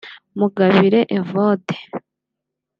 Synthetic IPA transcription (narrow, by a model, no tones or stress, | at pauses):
muɡaβiɾeʔevode̥